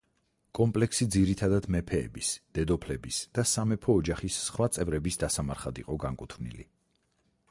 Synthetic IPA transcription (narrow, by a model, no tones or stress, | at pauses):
kʼɔmpʼlɛksid̪ziɾit̪ʰad̪ad̪mɛpʰɛ̰ːbisd̪̥ɛd̪ɔpʰlɛbisd̪̥asamɛpʰɔːd͡ʒaχisːχwat̪sʼɛvɾɛbisd̪asamaɾχad̪ḭqʼɔɡaŋkʼut̪ʰvnḭlḭ